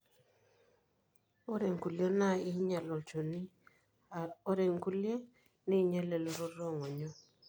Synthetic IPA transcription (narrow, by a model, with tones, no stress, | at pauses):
o˦ɾe˨ŋku˨lje˦na˦ɪ˦ɲa˨lɔ˨t͡ʃo˨ni˦ | ɾe˨ŋku˦lje˦ | ni˦ɲe˦le˨lo˦ɾo˦ɾɔ˦˨ŋɔ˨ɲɔ˦